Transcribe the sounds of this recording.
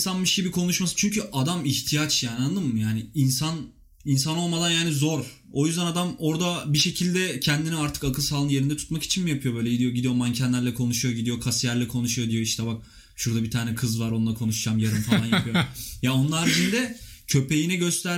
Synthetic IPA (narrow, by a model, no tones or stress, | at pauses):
sanmɯʃɟibikʰo̞nuʃmasɯ̥t͡ʃʰyɲcʰyʔad̪amiçt̪ʰijat͡ʃjaːnanlˠɯmmːɯjaːnɪinsan | ins̬ano̞lˠmad̪anjaːnizo̞ɾ | o̞jyzd̪ænad̪amo̞ɾd̪abiʃe̞cʰilʲd̪ɛcʰɛnd̪iniaɾt̪ʰɯ̥kakʰɯsaːlˠɯnjeɾind̪ɛt̪ʰu̥t̪maki̥t͡ʃʰinmijapʰɯjo̞bøːlʲeɟid̪ijo̞ɟid̪ijo̞mancʰɛnlʲæɾlʲɛkʰo̞nuʃujo̞ɟid̪ijo̞kʰasjæɾlʲɛkʰo̞nuʃujo̞d̪ijo̞iʃt̪ʰɛbak̚ | ʃuɾd̪abit̪ʰaːnɛkʰɯzvaɾo̞nulˠakʰo̞nuʃd͡ʒamjaɾɯmfalˠanjapɯjojao̞nlˠaɾbid͡ʒʰind̪ɛcʰø̞pe̞jinɛɟø̞st̪ʰæɾ